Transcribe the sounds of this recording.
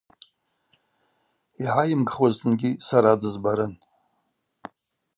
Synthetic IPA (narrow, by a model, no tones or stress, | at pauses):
iʕajɪmɡχwaztʰɨnɡʲisaɾadɨzbaɾɨn